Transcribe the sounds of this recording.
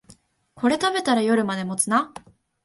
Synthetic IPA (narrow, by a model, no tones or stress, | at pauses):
ko̞ɾe̞t̪abe̞t̪aɾajo̞ɾɯ̟mad̪e̞mo̞t͡sɨna